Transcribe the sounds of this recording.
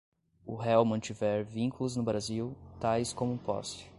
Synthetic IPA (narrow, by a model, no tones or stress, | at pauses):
ʊ̰ɦɛwmɐ̃t͡ʃivɛɾvĩŋkulʊznʊbɾaziwt̪ajskõmʊpɔ̰st͡ʃɪ̥